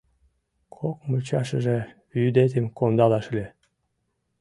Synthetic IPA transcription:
kʰokmut͡ɕɑʃəʒeβyd̪et̪̬ʲemkond̪ɑlɑʃlʲe

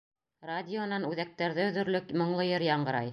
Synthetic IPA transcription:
radʲɪŏnɑnʉðæk̚t̪æɾðɘɵðɵ̆ɾlɵkmŏɴlˠɤjɤɾjɑɴɢɤ̆ɾɑj

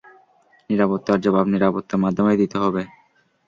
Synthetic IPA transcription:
niɾapot̪ːoaɾd͡ʑɔbabniɾapot̪ːomad̪ʱːomejd̪it̪eɦɔbe

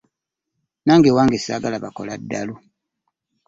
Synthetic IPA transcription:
naːŋɡewaːŋɡesaːɡalaβakoladːalu

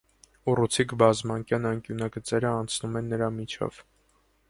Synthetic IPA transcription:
urut͡sʰikbɑzmɑŋkjɑnɑŋkjunɑɡət͡sɛɾəɑnt͡sʰnumɛnːəɾɑmit͡ʃʰɔ̰v̥

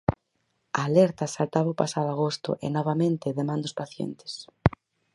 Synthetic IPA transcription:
aːlɛɾt̪asalt̪aβaupasaðoaɣ̞ost̪ʊ̰ʔḛnɔβamẽnt̪ɪðemãnd̪ospaθjḛnt̪ɪ̥s

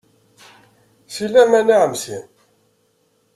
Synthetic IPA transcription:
silːæmænaʕəmsin

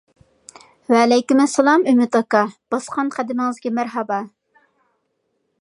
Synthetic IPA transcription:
wɛːlɛjkʲymɛsɛlˠɑmymɪt̪ɑkɑb̥ɑsqʰɑnqʰæd̪ɪmɪŋɨzɡʲɛmæɾɦɑbɑ

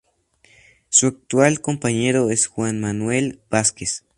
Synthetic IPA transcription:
suak̚t̪walkompaɲeɾoesxwanmanwelb̥askes

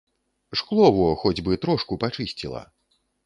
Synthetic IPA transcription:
ʂklˠɔvɔxɔd͡zʲbɨt̪ɾɔʂkupat͡ʂɨsʲt͡sʲilˠɐ̰

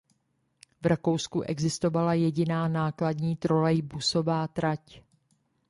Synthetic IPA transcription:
vɾako̞wskuʔɛɡzɪst̪o̞valajɛɟɪnaːnaːkladɲiːt̪ɾolɛjbusovaːt̪ɾac

